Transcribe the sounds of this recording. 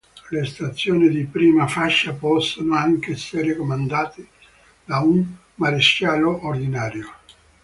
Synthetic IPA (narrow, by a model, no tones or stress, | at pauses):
lest̪at̪sːjoːnid̪ipɾiːmafaʃːapɔsːonoaŋkeɛseɾekomand̪aːt̪e | d̪aun | maɾeʃjaːloʔːrd̪inaːɾjo